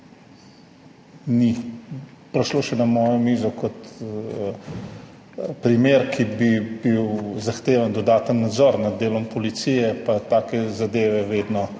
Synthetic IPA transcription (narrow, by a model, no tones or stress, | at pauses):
ni | pɾɛʃloːʃɛnamɔːjɔmiːzɔkɔt̪ | pɾimeːɾkʰibibiwzaxt̪eːʋand̪ɔd̪aːt̪ənːad̪zɔɾnad̪d̪ːeːlɔmpɔlit̪sijɛpat̪aːkɛzad̪eːʋɛʋeːd̪nɔ